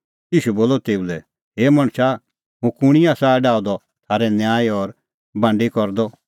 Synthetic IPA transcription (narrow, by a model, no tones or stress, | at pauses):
iːʃuboːlɔt̪eːulɛ | ɦeːmɐɽ̃sa | ɦũkʊɽ̃iaːsaɖaːɔd̪ɔ | t̪ʰaːɾɛnjaːjɔɾ | bãːɳɖikɔɾd̪ɔ